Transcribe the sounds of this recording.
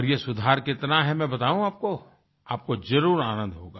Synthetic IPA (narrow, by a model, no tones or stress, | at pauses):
ɔɾjesʊd̪ʱaːɾkɪt̪naɦɛmɛ̃bɐt̪aːʋũaːp̚ko | aːp̚kozɐɾuːɾaːnə̃nd̪ɦoːɡaː